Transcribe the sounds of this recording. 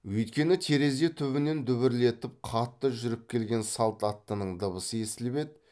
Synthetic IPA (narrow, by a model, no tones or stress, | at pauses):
wɵjt̪kʲe̞nɪt̪ʰe̞ɾe̞ze̞t̪ʰʏβɪne̞nd̪ʏβɪɾle̞t̪ɪp̚qʰɑt̪ːəʒʏɾɪp̚kʲʰe̞lɡʲe̞nsɑlˠt̪ɑt̪ːənəɴd̪əβəsəe̞sɪlbe̞d̪